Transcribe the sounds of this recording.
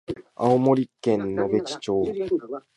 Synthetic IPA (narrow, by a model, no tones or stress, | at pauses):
aomo̞ɾʲikːẽ̞nːo̞be̞t͡ɕi̥t͡ɕo̞ː